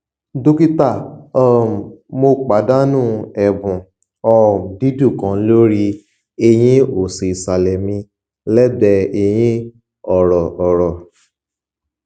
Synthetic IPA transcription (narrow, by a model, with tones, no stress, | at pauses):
do˦ki˦ta˦˨ɔ˦˨mo˧k͡pa˨˦da˦nũ˦˨ɛ˨bũ˨ | ɔ˦˨di˦du˦˨kã˨˦lo˦ɾi˧ | e˧j̃ĩ˦o˨se˨i˨sa˨lɛ˨mĩ˧ | lɛ˦bɛ˧e˧j̃ĩ˦ | ɔ˨ɾɔ˨ʔɔ˨ɾɔ˨